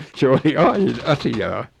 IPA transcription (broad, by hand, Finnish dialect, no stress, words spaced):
se oli ɑin ɑsiɑː